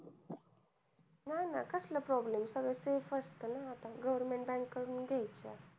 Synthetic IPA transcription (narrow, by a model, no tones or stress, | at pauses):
nana̰kəslapɾɔblemsəɡɭəsefəst̪ənaːt̪ãɡəʋəɾmẽɳʈ̚bɛ̃ŋkːəɾuːnɡʱɛjt͡ɕa̰